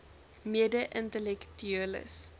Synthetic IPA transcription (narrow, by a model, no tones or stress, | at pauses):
miədəʔəntəlɛktyələ̰s